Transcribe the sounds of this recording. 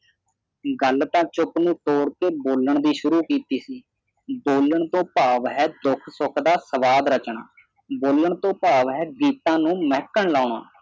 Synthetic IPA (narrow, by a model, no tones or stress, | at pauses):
ɡəlt̪ãːt͡ʃʊknũːʈ̪oːɽkeːboːləɳd̪iːʃʊɾuːkiːt̪iːsiː | boːləɳt̪õːpaːʋɦɛːd̪ʊkʰsʊkʰd̪aːsəʋaːd̪ɾət͡ʃɳa̰ː | boːləɳt̪õːpaːʋɦɛːɡiːt̪ãːnũːmɛːkəɳlaːɳa̰ː